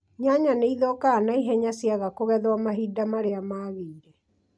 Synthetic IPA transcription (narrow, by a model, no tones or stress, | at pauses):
ɲaɲaneiðɔkaːnaiɦɛɲasjaɣakoɣɛðwamaɦidamaɾeamaːɣiiɾɛ